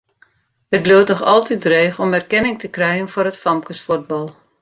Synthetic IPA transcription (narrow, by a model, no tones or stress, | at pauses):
ət̚bluwtnɔxɑ̰lˠtit̚dreːxɔmɛrkɛnɪŋtəkrɛjənfʊɾətfɑmkəsfud̚bɑlˠ